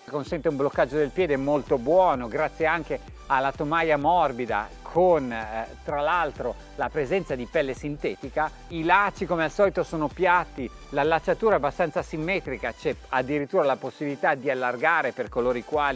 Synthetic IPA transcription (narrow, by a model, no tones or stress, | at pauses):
konsɛnt̪eũmblokːad͡ʒːod̪elpjɛːd̪eɛmːolt̪obwɔːnoɡɾat̪sːjeaŋke | alːat̪omajamɔrbid̪a̰kʰont̪ɾalalt̪ɾo | lapɾezɛnt̪sad̪ipɛlːesint̪ɛːt̪ika | ilat͡ʃːikomealsɔːlit̪osoːnopjat̪ːi | lalːat͡ʃːat̪uːɾaɛabːast̪ant̪sasimːɛːt̪ɾikat͡ʃɛad̪ːiɾit̪ːuːɾalaposːibilit̪ad̪ialːarɡaːɾeperkoloːɾikwaːli